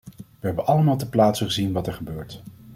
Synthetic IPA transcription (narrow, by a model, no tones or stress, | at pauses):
ʋəɦɛbənʔɑləmaːlˠtəplaːtsəχəzinʋɑtɛɹχəbøːɹt